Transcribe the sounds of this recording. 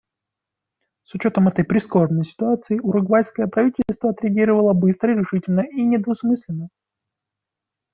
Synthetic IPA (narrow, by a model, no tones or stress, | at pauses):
sʊt͡ɕo̞t̪əmɛt̪əjpɾʲɪsko̞rnəjsʲɪ̥t̪ʊat̪sɨɪʔʊɾʊɡvajʲskəjəpɾɐvʲitʲɪlʲst̪vəɐt̪ɾʲɪɐɡʲiɾəvəlˠəbɨst̪ɾəɪɾʲɪʂɨtʲɪlʲnəʔinʲɪd̪vʊsmɨsʲlʲɪnːə